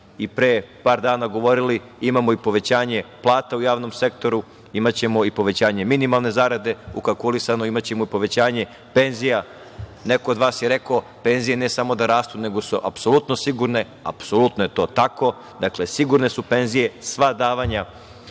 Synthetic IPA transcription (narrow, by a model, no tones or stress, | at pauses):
ipɾepaːɾd̪aːnaɡo̞ʋo̞ɾili | imamoipo̞ʋe̞t͡ɕaːɲe̞plˠaːt̪aujaːʋnomse̞kt̪o̞ɾu | imat͡ɕe̞mo̞ipo̞ʋe̞t͡ɕaːɲe̞minimalˠne̞zaɾad̪e̞ukalˠkulisanoimat͡ɕe̞moipo̞ʋe̞t͡ɕaːɲe̞ | pe̞nzija | ne̞koːd̪ʋaːsjeɾe̞koope̞nzije̞nesamo̞d̪aɾaːst̪une̞ɡo̞suʔa̰pso̞lut̪no̞siɡuɾne̞ | a̰psolut̪noje̞t̪o̞ːt̪ako̞ | d̪akle̞siɡuɾne̞supe̞nzije̞sʋad̪aːʋaɲa